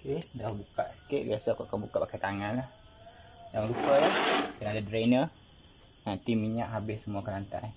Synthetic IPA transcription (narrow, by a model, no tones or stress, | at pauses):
okedahbukaʔsə̥kɪʔ̚biasakɔʔkabukaʔbakajt̪aŋanlah | jaŋɾupəlahkanaadadɾenə | nant̪imiɲaʔɦabɪssəmuakəɾant̪a̰j